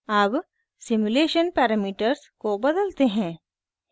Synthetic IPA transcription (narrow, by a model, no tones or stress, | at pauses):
aːb | sɪmuleːʃənpɛːɾamiːʈəɾskobɐd̪əlt̪eɦɛ̃ː